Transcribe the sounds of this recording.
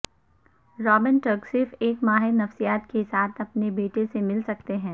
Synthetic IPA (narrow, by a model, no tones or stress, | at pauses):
ɾɔːbɪnʈəksɪfeːkmaːɦɪɾnɐfsijaːt̪kesaːt̪ʰɐpnebeːʈesemɪlsɐk̚t̪eɦɛ̃ː